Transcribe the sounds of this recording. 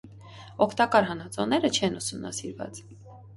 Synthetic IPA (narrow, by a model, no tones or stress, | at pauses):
ɔkʰt̪ɑkɑɾɦɑnɑt͡sɔ̰nɛɾət͡ʃʰɛnusumnɑ̰siɾvɑ̰t͡s